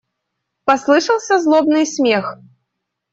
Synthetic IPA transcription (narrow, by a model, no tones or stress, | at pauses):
paslˠɨʂɐlˠsʲɐzlˠɔbnɨsʲmʲɛx